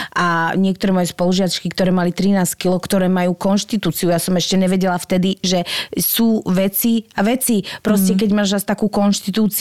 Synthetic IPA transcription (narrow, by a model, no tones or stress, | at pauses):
aɲɪɛk̚t̪ɔɾɛːmɔjɛspɔluʒɪat͡ʃkikt̪ɔɾɛːmalit̪ɾinaːsckilɔkt̪ɔɾɛːmajuːkɔnʃt̪it̪uːt͡siujasɔmɛʃcɛɲɛʋɛɟɛlaft̪ɛd̪iʒɛsuːʋɛt͡siaʋɛt͡sipɾɔscɛkɛɟmaːʒast̪akuːkɔnʃt̪it̪uːt͡s